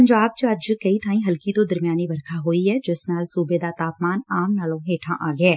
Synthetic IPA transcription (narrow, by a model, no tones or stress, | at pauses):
ɐɲd͡ʒaːb̚t͡ʃɐd͡ʒkɐit̪ʰaːĩɦɐlkit̪od̪ɐɾmjaːnibɐɾkʰaɦoːiɦɛd͡ʒɪsnaːlsuːbed̪at̪aːpmaːnaːmnaːlõɦeːʈʰãʔaːɡəeː